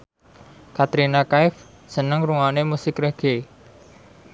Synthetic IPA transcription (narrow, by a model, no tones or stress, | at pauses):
kat̪ɾinakaɪf | sənəŋruŋanemusɪkreɡ̥e